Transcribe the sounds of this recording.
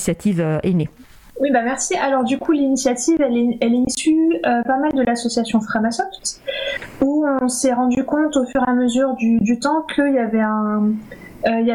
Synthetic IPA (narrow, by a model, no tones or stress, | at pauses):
sjat̪ʰivøene | wibamɛʁsialɔʁd̪ykʰulinisjat̪ivɛlɛɛlɛisyøpamald̪əlasɔsjasjɔ̃fχamasɔft̪ | uɔ̃sɛʁɑ̃d̪ykɔ̃t̪ofyʁeaməzyʁd̪yd̪yt̪ɑ̃kʰəilavɛɛ̃ | øila